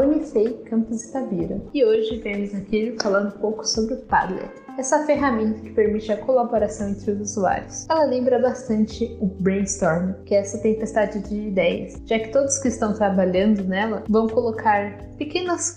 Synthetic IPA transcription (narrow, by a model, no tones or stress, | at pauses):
unifejkɐ̃mpɪzɪt̪abiɾɐɪoʒɪvẽmʊzakilʊfalɐ̃nd̪ʊũpowkʊ̥sobɾɪʊt̪a̰d̪lḛt̪ | ɛsɐafeɦamẽnt̪ɐkɪ̥peɾmit͡ʃɪɐkolaboɾasɐ̃w̃ẽnt̪ɾɪʊzuzua̰ɾjʊsɛlɐlẽmbɾɐbast̪ɐ̃nt͡ʃɪʊbɾẽnst̪ɔɾnkɪɛsɐt̪ẽpest̪ad͡ʒɪd͡ʒɪːd̪ɛjɐ̰sʒ̥akɪ̥t̪od̪ʊskɪːst̪ɐ̃w̃t̪ɾabaʎɐ̃nd̪ʊnɛlɐvɐ̃w̃kolokʰaɾ | pekẽnɐs